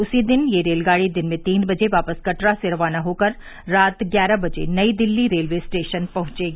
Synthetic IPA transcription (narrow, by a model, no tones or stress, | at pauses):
ʊsid̪ɪnjeɾeːlɡaːɽid̪ɪnmẽt̪iːnbɐd͡ʒeʋaːpəskɐʈɾaseɾɐʋaːnaɦoːkɐɾː | aːt̪ɡjaːɾabɐd͡ʒḛnɐid̪ɪlːiɾeːlʋeːsʈeːʃənpɐɦʊ̃t͡ʃeːɡaː